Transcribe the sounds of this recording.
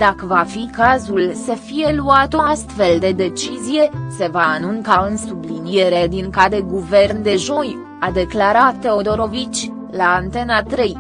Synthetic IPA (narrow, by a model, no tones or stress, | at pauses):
d̪̥akəvafikazulsəfije̞luat̪o̞ast̪fe̞ld̪e̞d̪e̞t͡ʃizije̞se̞vaːnuŋkaɨnsublinije̞ɾe̞d̪iŋkad̪e̞ɡuve̞rnd̪e̞ʒo̞j | ad̪e̞klaɾat̪ːe̞o̞d̪o̞ɾo̞vit͡ʃʲ | laːnt̪e̞nat̪ɾe̞j